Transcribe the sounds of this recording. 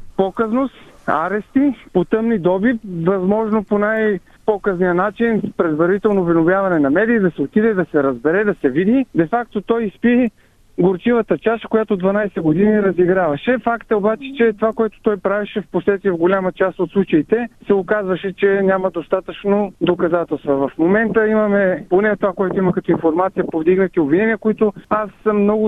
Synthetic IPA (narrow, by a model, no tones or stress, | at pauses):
pɔkəsnost̪aɾɛst̪ipot̪ɤmnid̪ɔbivɐzmɔʒnoponaj | pɔkəsnijənat͡ʃinspɾɛd̪vɐɾit̪ɛlˠnoːvinomjavɐnɛnɐmɛd̪iːd̪ɐsɛot̪id̪ɛd̪ɐsɛɾɐzbɛɾɛd̪ɐsɛvid̪id̪ɛfak̚t̪ot̪ɔjispi | ɡoɾt͡ʃivət̪ət͡ʃaʃkojat̪od̪vɐnajsɛɡod̪iniɾɐziɡɾavɐʃɛfakt̪əobat͡ʃɛ̥t͡ʃɛt̪ovakoɛt̪o̥t̪ɔjpɾaviʃɛfposɛt̪iɛvɡolʲamət͡ʃast̪ot̪slˠut͡ʃɐit̪ɛsɛokazvɐʃɛt͡ʃɛnʲamɐd̪ost̪at̪ət͡ʃnod̪okɐzat̪ɛlˠst̪vəvɐfmomɛnt̪əimɐmɛponɛt̪ovakoɛt̪oimɐkɐt̪ɔinfoɾmat̪sijəpovd̪iɡnət̪iobvinɛnʲijəkoit̪ʊasmnɔɡʊ